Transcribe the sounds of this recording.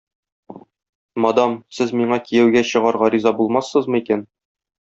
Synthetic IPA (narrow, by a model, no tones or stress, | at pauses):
mɒd̪ɑmsɘzmiɴɑkijæwɡæɕɤ̆ʁɑɾʁɑɾizɑbulˠmɑsːɤzmɤikæn